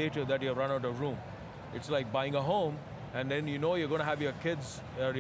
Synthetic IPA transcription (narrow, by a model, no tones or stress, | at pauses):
eʈəd̪æʈjuɾʌ̃naʊʈʌvɾũːm | ɪʈslaɪk̚baɪɪ̃ŋəɦõʊ̃m | æ̃nd̪ɛ̃njunoːjɔɡõñəɦæʋjəkʰɪdz | əɾj